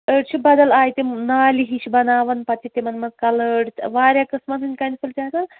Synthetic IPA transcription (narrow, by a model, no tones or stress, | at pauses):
əɖt͡ʃʰibɐd̪ɐlaːjt̪emnaːliɦiʃbɐnaːʋɐnpɐt̪it̪emɐnmɐnkɐləɽʋaːɾʲjakɨsmɐnɦɨnʲkɐnʲifɨlt̪ʲaːt̪ɐn